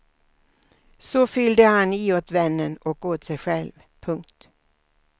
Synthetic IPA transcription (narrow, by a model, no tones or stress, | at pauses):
sɔfʏld̪əhaniːoːt̪vɛnːənɔkoːt̪sɛjɧɛlv | pʰɵŋk̚t̪